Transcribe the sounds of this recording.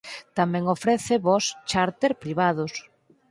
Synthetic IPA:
t̪amɛ̃ŋofɾɛθɪβɔst͡ʃaɾt̪eɾpɾiβaðʊs

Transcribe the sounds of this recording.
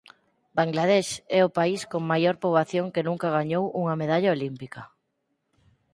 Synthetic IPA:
baŋɡlað̞ɛʃɛʊpaiskoŋmajoɾpoβaθjoŋkenũŋkɐɣ̞aɲowuŋɐmeðaʎaolimpikɐ

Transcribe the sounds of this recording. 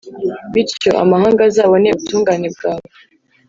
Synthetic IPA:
βiɾco̞̰ʔa̰mahaːŋɡazaːβo̞neuβutuːŋɡaːne̞b̚ɡaːβo

